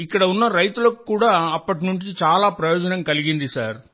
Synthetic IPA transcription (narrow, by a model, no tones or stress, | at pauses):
ɪkːɐɽɐunːɐɾɐjt̪ulɐkːukːuːɽaːɐpːɐʈ̬nuɳt͡ʃit͡ʃaːlaːpɾɐjoːd͡ʒɐnɐmkɐliɣind̪isaːɾ